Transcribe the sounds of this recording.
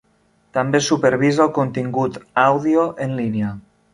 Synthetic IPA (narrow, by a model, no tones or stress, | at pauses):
t̪ambesupeɾβ̞izalˠkont̪iŋɡut̪awðioʔenlinea